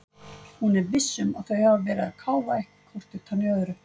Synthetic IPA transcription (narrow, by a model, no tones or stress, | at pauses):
hunɛɾvɪsːʏma̰ðθœɥhavavɛːɾaðkʰaːwvahkkʰvɔr̥t̪ɪ̥t̪ʰanjœːðʏɾʏ